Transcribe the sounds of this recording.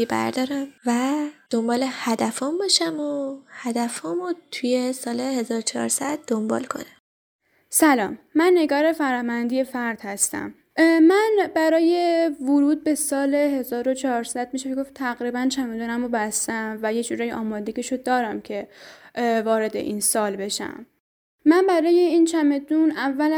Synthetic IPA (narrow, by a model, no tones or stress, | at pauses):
ibæ̰ɾd̪ɒːɾæmvæd̪̥o̞mbɒːlehæd̪æfɒmbɒːʃæmohæd̪æfɒːmot̪ʰuje̞sɒːlehe̞zɒːɾot͡ʃʰɒ̰ːɾsæd̪̚ːombɒ̰ːlkʰo̞̰næm | sælɒ̰ːmːænːe̞ɡɒːɾe̞fæɾɒːmænd̪ije̞fæɾd̪̥hæst̪æ̰m | mænbæɾɒːjevʊɾuːd̪̚be̞sɒːle̞ɦe̞zɒːɾo̞t͡ʃʰɒːɾsæd̪̥̚miʃemeɡo̞ft̪ʰæɣɾiːbænt͡ʃʰæmed̪uːnæmobæst̪æmvæjed͡ʒuɾɒːjʔɒːmɒːd̪eɟiʃod̪ɒːɾæmcʰe̞ | vɒːɾe̞d̪e̞̰ʔinsɒːlbe̞ʃæ̰mː | ænbæɾɒːje̞int͡ʃʰæmed̪unævːæl